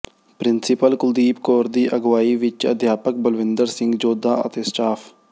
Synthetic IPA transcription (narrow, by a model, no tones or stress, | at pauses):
pɾɪnsɪpəlkʊd̪iːpkoːɾd̪iːʔəɡʋaːiːʋɪt͡ʃə̰d̪ʱjaːpək̚bəlʋɪ̃nd̪əɾsɪ̃ŋɡd͡ʒoːd̪aːə̰t̪eːsʈaːpʰ